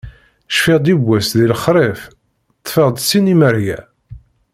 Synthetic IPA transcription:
ʃfɪʁd̪ibʷːæsðilχɾˤef | t̪ˤːfeʁd̪sinimæɾjæ

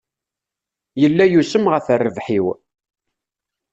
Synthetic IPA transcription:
jəlːæjusəmʁəθərːəvħiw

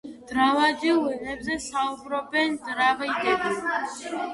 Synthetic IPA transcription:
d̪̥ɾavad̪ilˠwiʁɛbzɛsaubɾɔbɛnzɾavid̪ɛb

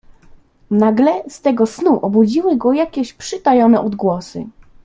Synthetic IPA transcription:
naɡlɛst̪ɛɡɔsnuʔɔbud͡ʑiwɘɡɔjakʲɛɕpʂɘt̪ajɔnɛʔɔd̪ɡwɔsɘ̰

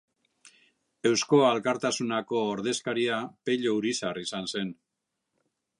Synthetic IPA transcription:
e̞wsko̞alkaɾt̪asunako̞ːɾðe̞skaɾiape̞ʎouɾisarisanse̞n

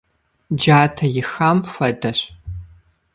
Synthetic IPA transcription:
d͡ʒaːtʰɐjɪxamfʷɐdɐɕ

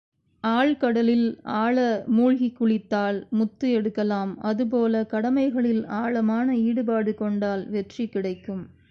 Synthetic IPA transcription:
aːɭkɐɽɐlɪlaːɭɐmuːɭɣikːʊɭɪt̪ːaːlmʊt̪ːɯɛɽɯkːɐlaːmɐðɯp̬oːlɐkɐɽɐmɐɪɣɐɭɪlaːɭɐmaːnɐiːɽɯpaːɽɯkɔɳɖaːlʋɛʈrikːɪɽɐɪkːɯm

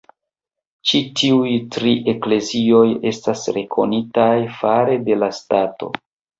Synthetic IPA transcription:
t͡ʃitʰiujtɾiʔe̞kle̞zio̞je̞stasɾe̞kʰo̞̰nitajfaɾe̞de̞lastato̞̰

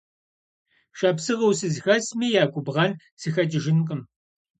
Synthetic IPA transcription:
ʃɐpsɨʁɐwsɨzxɐsmiːjaːɡʷʼʊbʁɐn | sɨxɐtʼɪʒɪnqʼəm

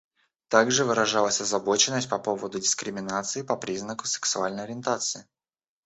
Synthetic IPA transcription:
t̪aɡʐɨvɨɾɐʐalˠəsʲɐzɐbo̞t͡ɕɪnːəsʲt̚ʲpɐpo̞vəd̪ʊdʲɪskɾʲɪmʲɪnat̪sɨɪpɐpɾʲiznəkʊ̥sɨ̥ksʊalʲnəjɐɾʲɪnt̪at̪sɨɪ

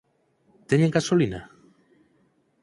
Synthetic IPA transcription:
t̪eɲeŋɡasolina̰

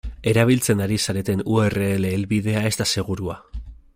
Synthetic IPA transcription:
e̞ɾaβ̞ilt͡se̞ndaɾisaɾe̞t̪e̞nue̞re̞ːle̞ːlβiðe̞ae̞st̪ase̞ɣ̞uɾua

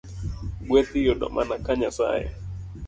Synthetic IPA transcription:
ɡwɛt̪ijɔɗɔ̰mʔanakaɲasa̰jɛ̰

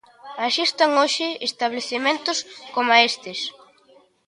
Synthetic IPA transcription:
aʃist̪aŋoʃɪest̪aβ̞leθemẽnt̪ʊskomaest̪ɪs

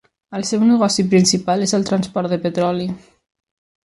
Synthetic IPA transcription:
əlˠsɛwnəɣɔsipɾinsipalezəlˠt̪ɾənspɔɾt̪d̪əpət̪ɾɔli

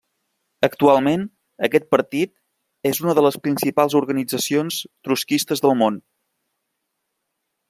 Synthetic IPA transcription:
əkt̪ualˠmen | əkɛt̪̚pəɾt̪it̪̚ | ezunəðələspɾinsipalˠzuɾɣənid͡zəsionst̪ɾuskist̪əzðəlˠmon

